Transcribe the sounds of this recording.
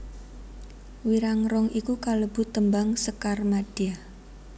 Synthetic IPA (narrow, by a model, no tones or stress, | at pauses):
wiɾaŋrɔŋikukaləb̥ṳt̪əmbaŋsəkarmad̥iah